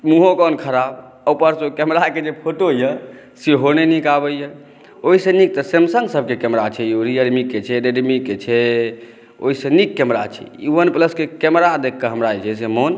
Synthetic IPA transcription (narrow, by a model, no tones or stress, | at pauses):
muɦõkɔnkʰəɾab | əwpəɾsokɛmɾaked͡ʒepʰoʈojə | seɦonenikabəjə | oɦisẽnik̚t̪əsemsəŋɡsəb̚ʱkekɛmɾat͡ʃʰɛoɾijəɾmikːet͡ʃʰɛɾeɖmikːet͡ʃʰɛ | o̰ɦisẽnikːɛmɾat͡ʃʰɛ̰iʋənpləskekɛmɾad̪ekʰːəɦəmɾaɛt͡ʃʰɛsemon